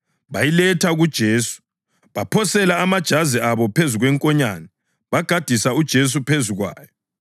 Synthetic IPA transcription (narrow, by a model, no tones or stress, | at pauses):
βajilɛtʰaɣud̥ʒ̥ʱeːsu̥ | βapʰɔsɛlaːmad̥ʒ̥ʱaziaβɔpʰezuɣwɛŋkʼɔɲanɛ | βaɡ̥ʱad̥ʱisaud̥ʒ̥ʱes̬upʰezuɣwa̰ːjɔ